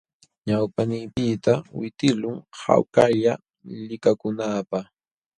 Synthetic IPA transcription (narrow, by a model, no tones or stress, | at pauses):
ɲawpanɪːpɪt̪awɪt̪ɪlʊŋha̰wkaʎa | lɪkakʊnaːpɑχ